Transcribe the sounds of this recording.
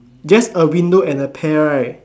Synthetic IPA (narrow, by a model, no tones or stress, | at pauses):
d͡ʒastəwĩndoɛ̃nəpʰɛɹaj